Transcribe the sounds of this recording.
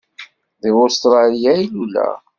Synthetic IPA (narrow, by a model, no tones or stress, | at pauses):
ðiʊst̪ɾˤɑlijæjilulæ̰